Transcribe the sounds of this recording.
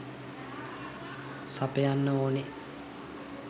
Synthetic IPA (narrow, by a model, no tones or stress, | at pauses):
sapəjanːəoːne